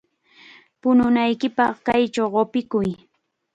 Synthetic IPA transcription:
pʊnʊnajkɪpɑχkajt͡ʃawɢopɪkʊj

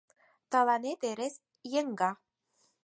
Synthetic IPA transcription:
t̪alanet̪eɾes | jeŋɡa

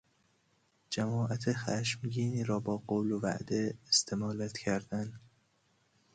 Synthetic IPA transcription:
d͡ʒæmɒːʔæt̪ʰexæʃmɡiːniːɾɒːbɒːɢoːlovæ̰ʔd̪eːst̪ʰemɒːlæt̪cʰæɾd̪̥æn

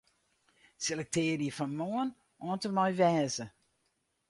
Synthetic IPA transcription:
selɛk̚tɪːərjəfɔnmoən | ʔɔəntərmɔjʋɛːzə

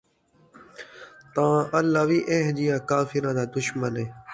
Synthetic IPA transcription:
t̪ãːʔəlːaːʋiːʔeɦd͡ʒijãːkaːfɪɾãːd̪aːd̪ʊʃmənẽː

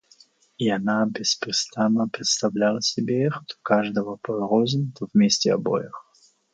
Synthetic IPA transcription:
ianabʲɪspɾʲɪst̪anːəpɾʲɪt̪st̪avlʲalˠəsʲɪbʲeixt̪o̥kaʐd̪əvəpɐɾozəmt̪ovmʲesʲtʲɪɐ̰bo̰jɪx

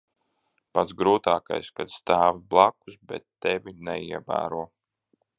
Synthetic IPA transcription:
pat̪sɡɾuːt̪aːka̰jskad̪st̪aːviblˠaku̥sbɛt̪ːɛvinɛiɛvæ̰ːɾuɔ

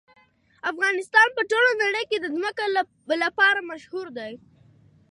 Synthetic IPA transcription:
afɣɑnɪst̪ɑnpəʈolonaɽəjked̪əzməka | lapɑɾamaʃhuɾd̪aj

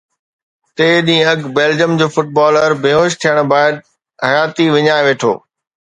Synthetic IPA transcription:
t̪eːɗĩːɐɡbeːld͡ʑjəmd͡ʑoːfʊʈ̚baːləɾbʱɪɦoːʃt̪ʰijəɽ̃baːɪd̪̚ | ɦɐjaːt̪iʋɪɲaːeʋeːʈʰo̰ː

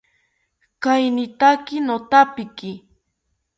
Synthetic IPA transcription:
kajnɪt̪akɪnot̪apɪkɪ

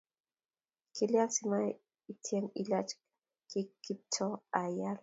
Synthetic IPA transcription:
kiljasima | itʰjeŋilat͡ʃ | kikitʰːɔajal

